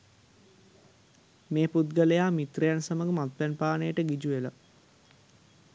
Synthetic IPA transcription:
meːput̪̚ɡəlejaːmit̪rejansəməɡəmat̪ʋænpaːnəjəʈəɡid͡ʒuʋela̰

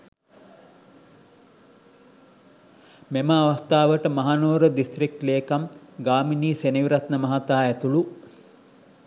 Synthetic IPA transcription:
meməaʋast̪aːʋəʈəmaɦanoːɾəd̪ist̪rik̚ʈleːkamɡaːminiːseniʋiɾat̪nəmɐɦat̪aːæt̪ulu

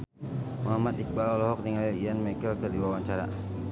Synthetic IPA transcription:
muɦamat̪̚ik̚balɔlɔɦɔk̚niŋaliijanmakəlkərdiwawaɲt͡ʃaɾa̰

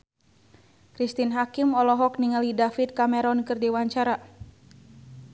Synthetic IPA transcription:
kɾist̪inɦakimɔlɔɦɔk̚niŋalidafit̪̚kamɛɾɔnkɨrdiwaɲt͡ʃaɾa

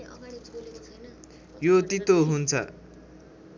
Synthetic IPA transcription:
jot̪it̪oɦunt͡sʰʌ̰

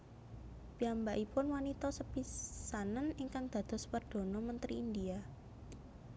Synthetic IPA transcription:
b̥iambaʔipʊnwanit̪ɔsəpisanəniŋkaŋd̪̥ä̤d̪̥ɔ̤spərd̪̥o̤nɔmənt̪ɾiind̪ia

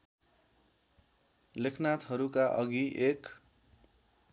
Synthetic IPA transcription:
lekʰnat̪ɦʌɾukaʔʌɡiʔek

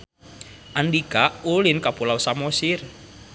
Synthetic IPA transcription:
ʔandikaʔulɪnkapulawsamosɪr

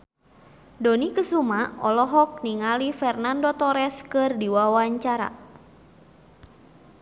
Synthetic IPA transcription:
donikəsumaɔlɔɦɔk̚niŋalifɛrnandot̪ɔɾɛskɨrdiwawaɲt͡ʃaɾa̰

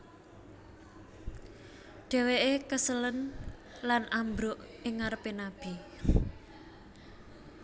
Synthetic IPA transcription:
ɖ̪̥ɛ̤weʔekəsələn | lanʔambɾoʔɪŋːaɾəpenab̥i

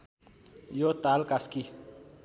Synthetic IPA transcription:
jot̪alkaski

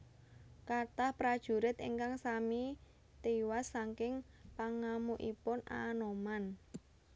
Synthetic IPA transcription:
kat̪ahpɾad̥ʒ̥ṳɾɪt̪ḭŋkaŋsami | t̪iwasːaŋkɪŋpaŋamuʔipʊna̰ːnoman

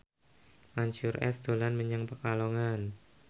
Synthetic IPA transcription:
maɲt͡ʃʊrɛ̰sd̪̥olanməɲəŋpəkaloŋan

